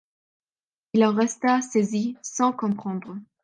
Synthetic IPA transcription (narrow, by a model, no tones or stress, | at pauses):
ilɑ̃ʁɛst̪asezisɑ̃kɔ̃pχɑ̃d̪ʁə